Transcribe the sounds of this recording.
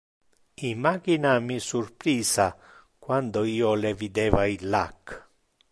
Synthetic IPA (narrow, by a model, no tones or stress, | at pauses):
imːaːkinamisurpɾiːsa | kwand̪oiːɔlevid̪ɛːvailːa̰kː